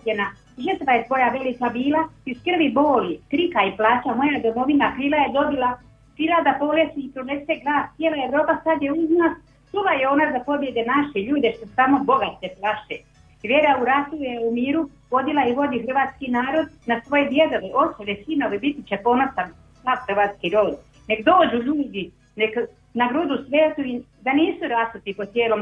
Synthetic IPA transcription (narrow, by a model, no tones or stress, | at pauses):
ena | ʒər̩t̪ʋajesʋo̞jaʋelikabiːlaiskr̩ʋiboːlik̪ɾikaiplaːt͡ʃamo̞jad̪o̞mo̞ʋinakiːlajed̪o̞bilˠa | piːlad̪apo̞lesiipɾoeseɡlˠaːst̪sjelajeʋɾo̞ːpasad̪jeuznas | tulajeo̞nazapo̞bje̞d̪enaʃeʎuːd̪eʃt̪osamo̞bo̞ɡat̪eplaʃe | ʋjeɾauɾat̪ujeumiːɾu | ʋo̞d̪ilaiʋo̞d̪ixr̩ʋaːt̪skinaːɾo̞d̪nasʋo̞jed̪jed̪oʋeʔo̞solesino̞ʋebit̪it͡ɕepo̞nosan | sad̪xr̩ʋaːt̪skiɾod̪ | nekd̪o̞ːd͡ʒuʎuːd̪i | nek | naɡɾud̪usʋeːt̪uid̪aniːsuɾasut̪ipot̪jeːlom